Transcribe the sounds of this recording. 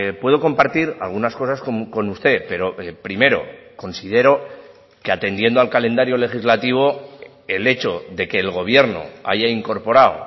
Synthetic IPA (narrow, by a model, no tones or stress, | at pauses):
pwe̞ðo̞ko̞mpaɾt̪iɾa̰lɣ̞unasko̞saskomko̞nust̪e̞pe̞ɾo̞epɾime̞ɾo̞̰ko̞nsið̞e̞ɾo̞ | ke̞at̪e̞nd̪je̞nd̪oalkalẽ̞nd̪aɾjo̞le̞xizlat̪iβ̞o̞ | e̞le̞t͡ʃo̞ðe̞ke̞ːlɣ̞o̞β̞je̞ɾno̞̰a̰ʝaiŋko̞ɾpo̞ɾaw